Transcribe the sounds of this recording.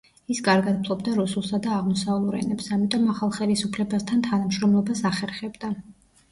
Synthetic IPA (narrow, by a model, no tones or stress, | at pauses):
isɡʼaɾɡad̪̚pʰlˠɔbd̪aɾusulˠsad̪aːʁmɔsalˠuɾɛ̰nɛpsamit̪ʼɔmaχalˠχɛlisupʰlɛbast̪ʰant̪ʰanamʃɾɔmlˠɔbasaχɛɾχɛbd̪a